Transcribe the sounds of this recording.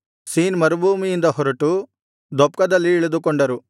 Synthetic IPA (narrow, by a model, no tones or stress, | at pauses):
siːnmɐɾubʱuːmijind̪ɐɦɔɾɐʈu | d̪ɔp̚kɐd̪ɐlːiːɭud̪ukɔɳɖɐɾu